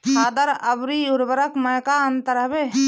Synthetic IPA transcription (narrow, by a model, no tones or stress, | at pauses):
ad̪əɾəbɾiuɾbəɾəkməjkaənt̪əɾɦəbe